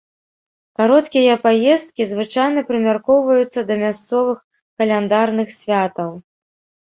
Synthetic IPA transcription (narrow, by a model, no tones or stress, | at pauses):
kaɾɔt̪kʲijɐpajɛst̪kʲizvɨt͡ʂajn̪ɐpɾɨmʲarkɔwvɐjut̪sːɐd̪ɐmʲast̪sɔvɨx | kɐlʲɛnd̪arnɨxsʲvʲat̪ɐw